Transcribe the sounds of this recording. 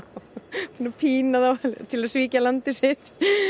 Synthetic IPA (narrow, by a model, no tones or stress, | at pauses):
punapʰiːnaðawt̪ʰɪlaðsviːcalant̪ɪsɪt̪